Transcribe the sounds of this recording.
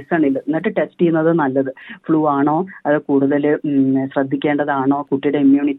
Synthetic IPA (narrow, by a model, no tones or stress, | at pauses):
saːɳilːɐnːɐʈːɨʈe̞sʈijunːɐðɨnɐlːɐðɨfɭuːaːɳo̞ːɐðɨkuːɽuðɐlɨɕrɐd̪ʱːikʲːeːɳɖɐðaːɳo̞ːkuʈːiɽeimjuːɳitː